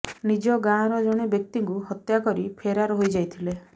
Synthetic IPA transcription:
nid͡ʒɔɡãɾɔd͡ʒɔɽ̃ebjek̚t̪iŋkuɦɔt̪jakɔɾipʰeɾaɾɔɦojd͡ʒajt̪ʰile

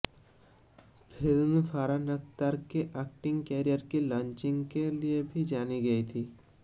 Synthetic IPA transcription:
pʰɪlmfʰaːɾanəkt̪aɾkeʔɛːk̚ʈɪ̃ŋɡkeːɾijəɾkilãːɲt͡ʃɪ̃ŋɡkeliebʱid͡ʒaːniɡɐit̪ʰiː

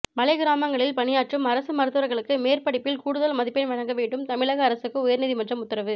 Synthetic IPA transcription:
mɐlɐɪɡɪɾaːmɐŋɡɐɭɪlpɐɳɪjaːʈrɯmɐɾɐsɯmɐɾɯt̪ːɯɾɐɾɣɐɭɯkːɯmeːrpɐɽɪpːɪlkuːɽɯðɐlmɐðɪpːɪnʋɐɻɐŋɡɐʋeːɳɖɯmt̪ɐmɪɭɐɣɐːɾɐsɯkːɯʊjɐɾniðimɐʈdrɐmʊt̪ːɐɾɐʋɯ

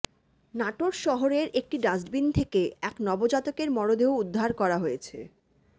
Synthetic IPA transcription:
naʈoɾʃɔɦoɾeɾʔek̚ʈiɖad͡ʑʈbint̪ʰekeɛknɔbod͡ʑat̪okeɾmɔɾod̪eoud̪ʱːaɾkɔɾaɦojet͡ɕʰe

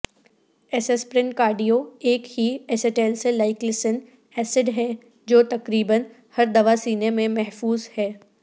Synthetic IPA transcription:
ɛsespɾɪ̃ɳʈkaːɾɖijoeːkhiɛseʈeːlselaːɪklɪsən | ɛːsɪɖɦɛː | d͡ʒoːt̪ɐkɾiːbən | hɐɾd̪ɐʋasiːnemẽmɛɦfuːzhɛː

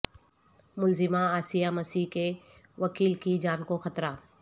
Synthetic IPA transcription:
mʊlzɪmaaːsijamɐsiːke | ʋɐkiːlkid͡ʒaːnkoxɐt̪ɾa

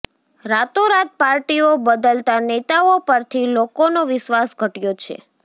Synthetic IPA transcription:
ɾat̪oɾat̪̚paɾʈiobəd̪əlt̪anet̪aopəɾt̪ʰilokonoʋɪʃʋasɡʱəʈjot͡ʃʰḛ

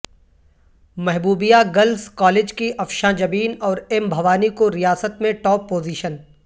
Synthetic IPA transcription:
mɛɦbuːbijaɡɐlskɔːleːd͡ʒkiʔɐfʃãd͡ʒɐbiːnɔːɾembʱɐʋaːnikoɾijaːsət̪mẽʈɔːpːoːziːʃən

